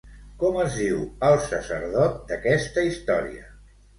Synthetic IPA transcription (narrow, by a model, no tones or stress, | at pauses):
kɔməzðiwəlˠsəsəɾð̞ɔt̪̚d̪əkɛst̪əist̪ɔɾḭə̰